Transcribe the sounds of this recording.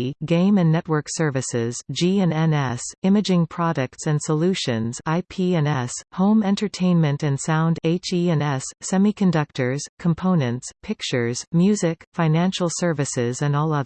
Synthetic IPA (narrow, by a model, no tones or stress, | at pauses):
ɡẽɪ̃mɨ̃nːɛt̚wɜ˞ksɜ˞vɨsɪzd͡ʒiɛ̃nɛ̃nɛsɪ̃mɨd͡ʒɪ̃ŋpʰɹ̥ɑɾɨk̚tsɨ̃nsəlʉʃɨ̃nz̥aɪpʰiɛ̃nɛshõʊ̃mɛ̃ntə˞tʰẽɪ̃nmɨ̃ntɨ̃nsãʊ̃ndeɪt͡ʃiɛ̃nɛsːɛmikʰɨ̃ndʌk̚tə˞z̥kʰə̃m̩pʰõʊ̃nɨ̃ntspʰɪk̚t͡ʃə˞z̥mjʉzɪkfãɪ̃næ̃nʃl̩ˠsɜ˞vɨsɪzɨ̃nɔlˠʌð